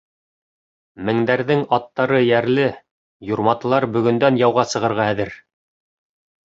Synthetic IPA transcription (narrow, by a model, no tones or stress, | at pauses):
mɘ̆ŋd̪æɾðɘŋɑt̪ːɑɾɤjæɾlɘ | juɾmɑt̪ɤ̆lˠɑɾbɵ̆ɡɵ̆nd̪ænjɑwʁɑsɤ̆ʁɤ̆ɾʁɑæðɘɾ